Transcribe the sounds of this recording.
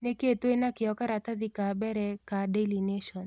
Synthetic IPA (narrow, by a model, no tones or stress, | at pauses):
neket̪wenakɪɔkaɾat̪ad̪ikabɛɾɛkadelineʃɔn